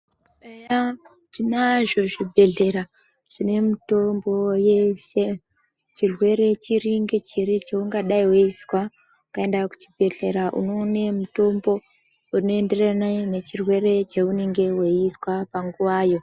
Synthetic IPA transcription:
eja | tinaʒo̞ʐibʱe̞ɮe̞ɾa | ʐ̥ine̞muto̞mbo̞jeʃe | t͡ʃirwe̞ɾe̞t͡ʃiɾiŋɡet͡ʃiɾit͡ʃeuŋɡaɗaiweiswa | ukae̞ndaku̥t͡ʃi̥bʱe̞ɮe̞ɾaʔṵno̞nemuto̞mbo̞ | unoe̞nde̞ranane̞t͡ʃirwe̞re̞t͡ʃeuneŋɡe̞weiswapaŋɡuʋaːjo̞

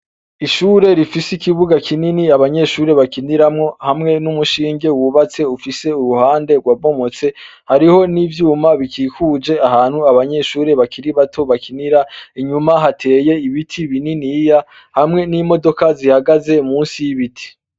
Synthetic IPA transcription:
iʃuːɾe̞ɾifisikiβuɡakʰininiaβaɲe̞ʃuːɾe̞βakiniɾamŋo̞hamŋe̞numuʃiːŋɡe̞wuβat͡se̞ufise̞uɾuhaːnde̞ɡwaβo̞mo̞t͡se̞ | haɾiho̞nivjuːmaβikiːkud͡ʒe̞aɦaːn̥huaβaɲe̞ʃuːɾe̞βakʰiɾiβatʰo̞βakʰiniɾaiɲumaɦatʰe̞ːje̞iβitʰiβininija | hamŋe̞nimo̞do̞kazihaɡaze̞muːnsijiβitʰi̥

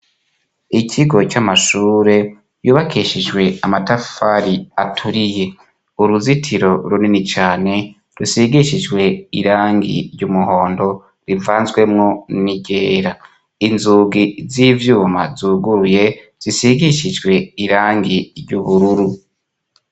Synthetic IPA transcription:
icʰiɡo̞t͡ʃamaʃuːɾe̞ | juːβakʰiʃid͡ʒwe̞amatafaɾiatʰuɾije̞ | uɾuzitʰiɾo̞ɾuninit͡ʃaːne̞ | ɾusiɡiʃid͡ʒɡwe̞ḭɾaːŋɡḭɾjɟumuho̞ːndo̞ | ɾivaːnzɡwe̞mŋo̞niɟeːɾa | inzuɡiziːvjuːma̰zuːɡuɾuje̞ | z̥isiɡiʃid͡ʒɡwe̞iɾaːŋɡiɾɟuβuɾuɾu

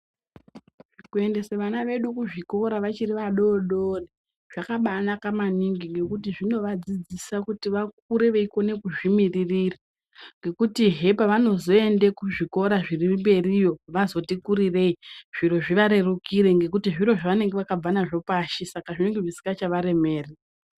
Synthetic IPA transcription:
ikue̞nde̞seʋanaʋe̞ɗukuʐiko̞ɾaʋat͡ʃiriʋaɗo̞ɗori | ʐ̥akaɓanakamaniŋɡiŋɡe̞kutiʐino̞ʋad͡zid͡zisakutiʋak̚uɾe̞ʋe̞iko̞ne̞kuʐimiririra | ŋɡe̞kutiɦe̞paʋano̞zo̞e̞ndekuʐiko̞ɾaʐirimbe̞rijo̞ʋazo̞tikuɾire̞iʐ̥iro̞ʐiʋaɾe̞rukiɾe̞ŋɡe̞k̬utiʐiɾo̞ʐaʋane̞ŋɡe̞ʋakab͡vanaʐo̞paːʃisakaʐine̞ŋɡeʐisi̥kɡat͡ʃaʋaɾe̞me̞ːri

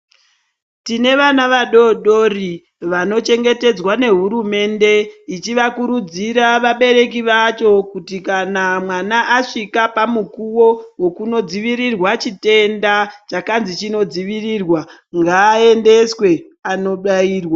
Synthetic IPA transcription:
tine̞ʋanaʋaɗo̞ɗo̞ri | ʋano̞t͡ʃe̞ŋɡe̞te̞d͡zwane̞ɦuɾume̞nde̞it͡ʃiʋakuɾud͡ziɾaʋaɓe̞ɾe̞k̬iʋat͡ʃo̞kutikanamwanaʔːʂikapamukuwowo̞kuno̞d͡ziʋiɾirwat͡ʃite̞ndat͡ʃakanzit͡ʃino̞d͡ziʋiriːrwa | ŋɡaːe̞nde̞swe̞ | ano̞ɗaiːrwa

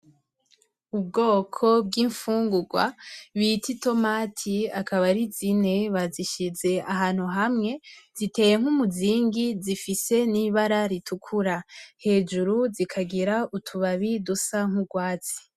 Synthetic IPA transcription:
ub̚ɡo̞ːkʰo̞b̚ɡiːɱfuːŋɡuɡwa̰βitito̞maːtʰiakaβaɾizine̞βaziʃize̞aɦaːn̥huɦamŋe̞zite̞ːje̞ŋ̥humuziːŋɡizifise̞niβaɾaɾitʰukʰuɾahe̞ːd͡ʒuɾuzikʰaɡiɾautʰuβaβidusaŋ̥huɡwaːt͡si̥

